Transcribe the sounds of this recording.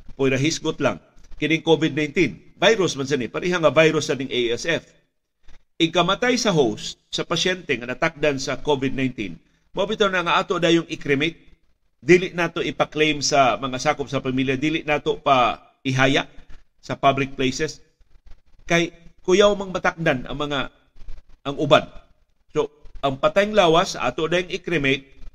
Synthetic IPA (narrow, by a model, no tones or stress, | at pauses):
pʊjɾɐɦisɡʊt̪la̰ŋkɪnɪŋkovɪd̪̚najnt̪invajɾʊsmans̬anɪpaɾiɦaŋɐvajɾʊsanɪŋʔejɛsɛf | ʔɪkɐmɐt̪ajsɐɦowst̪̚sɐpɐʃɛnt̪ɛŋɐnɐt̪ak̚d̪ansɐkovɪd̪̚najnt̪ḭn | mɐʔubɪt̪annaŋaʔaːt̪od̪aːjoŋɪkɾɪmɪt̪̚ | d̪iːlɪʔnaːt̪oʔɪpaklejmsamɐŋasaːkʊp̚sɐpamiljad̪iːlɪʔnaːt̪opa | ɪɦaːjaʔ | sɐpablɪk̚plejsɛs | kajkʊjawmɐɡmɐt̪ak̚d̪anʔɐ̰ŋmɐŋa | ɐŋʊban | soʔɐŋpɐt̪ajŋlaːwasa̰ʔa̰ːt̪oʔd̪aːjoŋɪkɾɪmɪt̪̚